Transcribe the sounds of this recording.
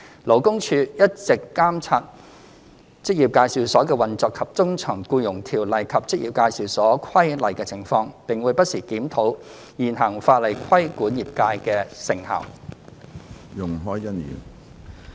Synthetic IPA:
lo˨˩wkʊ˥ŋt͡ʃʰyː˧jɐ˥t̚t͡sɪ˨kːaː˥mt͡sʰaː˧t̚ | t͡sɪ˥k̚jiː˨p̚kaː˧jsiː˨˧wsɔː˨˥kɛː˧wɐ˨nt͡sɔː˨˧kʰːɐ˨p̚t͡sʊ˥ŋt͡sʰœː˨˩ŋkuː˧jʊ˨˩ŋt̪ʰiː˨˩wlɐ˨˩jkʰɐ˨p̚t͡sɪ˥k̚jiː˨˩pkaː˧jsiː˨wsɔː˨˥kʰɐ˥jlɐ˨˩jkɛː˧t͡sʰɪ˨˩ŋfɔː˧ŋpɪ˨ŋwuː˨˧jpɐ˥t̚siː˨˩kiː˨˥mt̪ʰo˨˥w | jiː˨˩nɦɐ˨˩ŋfaː˧t̚lɐ˨˩jkʰɐ˥jkuː˨˥njiː˨p̚kaː˧jkɛː˧sɪ˨˩ŋhɐ̰˨˩w | jʊ˨˩ŋɦɔː˨˥jjɐ˥njy̰ː˨˩n

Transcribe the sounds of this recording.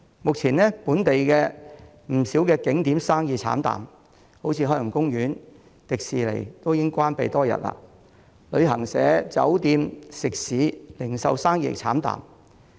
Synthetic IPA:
mʊ˨k̚t͡sʰiː˨˩nɛː˥puː˨˥nt̪e˨jkɛː˧ | m̩˨˩siː˨˥wkɛː˧kɪ˨˥ŋt̪iː˨˥msaː˥ŋjiː˨˧t͡sʰa̰ː˨˥nt̪a̰ː˨˩m | ho˨˥wt͡sʰiː˧hɔː˥lŋkʊ˥ŋjyː˨˥n | t̪ɪ˨k̚siː˨lḛ˨˩jt̪o˥wjɪ˥ŋkʷaː˥npe˨jt̪ɔː˥jɐ̰˨t̚la̰ː˧ | lɵ˨˧ɥɦɐ˨˩ŋsɛ̰ː˨˥t͡sɐ̰˨˥wt̪iː˧msɪ˨k̚siː˨˥lɪ˨˩ŋsɐ̰˨˧wsaː˥ŋjḭː˨˧˨t͡sʰaː˨˥mt̪a̰ː˨m

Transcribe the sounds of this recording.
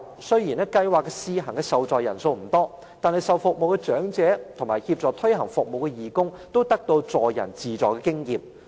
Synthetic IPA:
sɵ˥jiː˨˩nɛː˥kɐ˧jwaː˨kːɛ˧siː˧ɦɐ˨˩ŋkɛː˧sɐ˨wt͡sɔː˨jɐ˨˩nso˧wm̩˨˩t̪ɔː˥ | t̪aː˨nhɐ˨jsɐ˨wfʊ˨k̚mo˨wkɛ˧t͡ʃœː˨˥ŋt͡sɛː˨˥t̪ʰʊ˨˩ŋmaː˨˩jhiː˧p̚t͡sɔː˨˧t̪ʰɵ˥ɥɦɐ˨˩ŋfʊ˨k̚mo˨wkɛ˧jiː˨˩kʊ˥ŋt̪o˥wt̪ɐ˥k̚t̪o˧wt͡sɔː˨jɐ̰˨˩nt͡siː˨t͡sɔː˨˩kɛː˧kɪ˥ŋjiː˨m̚

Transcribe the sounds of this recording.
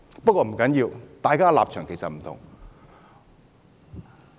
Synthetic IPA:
pɐ˥t̚kɔː˧m̩˨˩kɐ˨˥njiː˧wt̪aː˨˧jkaː˥la̰ː˨p̚t͡ʃʰœː˨˩ŋkʰe˨˩sɐ˨t̚m̩˨˩t̪ʰʊ̰˨˩ŋ

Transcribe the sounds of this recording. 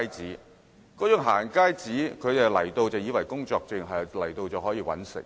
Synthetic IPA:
jt͡siː˨˥ | kɔː˨˥jʊ˨˩ŋɦaː˨˩nkaː˥jt͡siː˨˥kʰɵ˨˧t̪e˨lɐ˨˩jt̪o˧wt͡sɐ˨˧wjiː˨˧wɐ˨˩jkʊ˥ŋt͡sɔː˧k̚t͡sɪ˨˩ŋɦɐ˨jlɐ˨˩jt̪o˧wt͡sɔ˨˥hɔː˨˥jiː˧wɐ̰˨˥nsɪ̰˨˩ŋ

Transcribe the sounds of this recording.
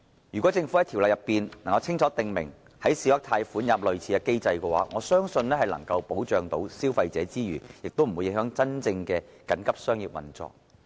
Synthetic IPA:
jy˨˩kɔː˨˥t͡sɪ˧ŋfu˨˥ɐ˨˦jt̪ʰi˨˩lɐ˨jɐ˨pːiː˨nnɐ˨˩ŋkɐ˧wt͡sʰɪ˥ŋt͡sʰɔː˨˥t̪ɪ˨ŋmɪ̰˨˩ŋ | hɐ˨˥jsiː˨˧wɐ˥k̚t̪ʰaː˧jfuː˨˥njɐ˨p̚lɵ˨˩ɥt͡sʰiː˨˥ɛ˧ke˥jt͡sɐ˧jkɛː˧wa̰ː˨˥ŋɔ̰ː˨˧sœː˥ŋsɵ˧nlɛː˥hɐ˨jlɐ̰˨˩ŋkɐ˧wpo˨˥wt͡ʃœː˨ŋt̪o˨˥wsiː˥wfɐ˧jt͡sɛː˨˥t͡siː˥jyː˨˩jɪ˨k̚t̪o˥wm̩˨˩wu˨˧jɪ˧˥ŋhœː˨˥ŋt͡sɐ˥nt͡sɪ˧ŋkɛː˧kɐ˨˥nkɐ˥p̚sœː˥ŋjiː˨p̚wɐ̰˨nt͡sɔ̰ː˨k̚

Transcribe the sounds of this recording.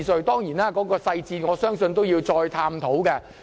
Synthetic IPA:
sɵ˨˧ɥt̪ɔː˥ŋjiː˨˩naː˥kɔː˨˥kɔː˧sɐ˧jt͡siː˧ŋɔː˨˧sœː˥ŋsɵ˧nt̪̬o˥wjiː˧wt͡ʃɔː˧jt̪ʰaː˧mt̪ʰo˨˥wkɛː˧

